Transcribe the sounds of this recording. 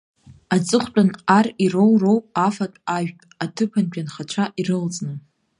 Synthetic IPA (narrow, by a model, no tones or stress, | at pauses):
ad͡zʼɨχʷt͡pʼanarirowrowpʼafatʼaʒᶣpʼatʰɨpʰand͡ʒʲʼᶣanχat͡ʃʷʰaʔirɨlt͡sʼnɨ